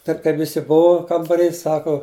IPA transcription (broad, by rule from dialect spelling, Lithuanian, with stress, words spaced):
ˈtɐɪp kɐɪp ʋʲɪˈsʲɪ ˈbʊʋʊ kɐmbɐˈrʲiː ˈsɑːkʊ